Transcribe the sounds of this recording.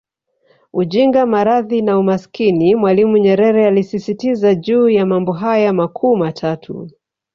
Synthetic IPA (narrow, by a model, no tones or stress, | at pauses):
uʄiŋɡamaɾaðinaumaskinimwalimuɲɛɾɛɾɛalisisitizaʄuːjamambɔɦajamakʰuːmatʰatʰṵ